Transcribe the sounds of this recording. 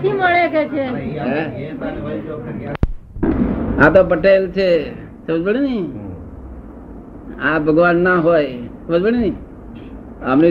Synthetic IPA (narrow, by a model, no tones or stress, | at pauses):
iməɭeket͡ʃʰeɦe | ãt̪opəʈelt͡ʃʰe | səməd͡ʒbəɽini | ãbʱəɡʋanːaɦojsəməd͡ʒbəɽini | əmni